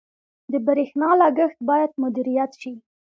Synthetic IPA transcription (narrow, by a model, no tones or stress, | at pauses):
d̪əbaɾexnɑlaɡəxt̪̚bɑjad̪mʊd̪iɾijat̪ʃi